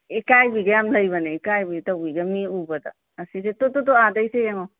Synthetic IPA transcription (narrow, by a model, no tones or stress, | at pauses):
ekajbiɡɐjamləjbaneekajbitawbiɡɐmiubɐd̪a̰ː | sisetototoadəjsejaŋo